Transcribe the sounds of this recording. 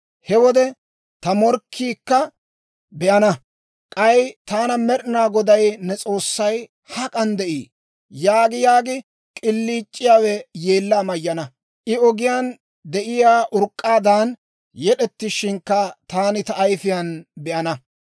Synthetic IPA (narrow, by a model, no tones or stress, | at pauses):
hɛwɔd̪ɛ | t̪ɐmɔɾkʰːiːkːɐ | bɛʔɐnɐ | kʼɐjt̪aːnɐmɛɾɪnaːɡɔd̪ɐjnɛt͡sʼo̞ːsːɐj | hɐkʼɐnd̪ɛʔiː | jaːɡɪjaːɡɪ | kʼɪlːiːt͡ʃʼːɪjaːwɛje̞ːlːaːmɐjːɐnɐ | ʔɪɔɡɪjaːn | d̪ɛʔɪjaːʔʊɾkʼːaːd̪aːn | jɛɗɛt̪ːɪʃɪŋkːɐt̪aːnɪt̪ɐʔːjfɪjɐnbɛʔɐnɐ